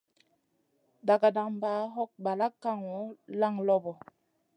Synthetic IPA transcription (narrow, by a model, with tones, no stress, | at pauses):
da˨ɡa˨da˨ŋmba˨˦ɦɔ˦k̚ba˨la˦kːa˦ŋwɔ˨˦la˦ŋlɔ˦bɔ˨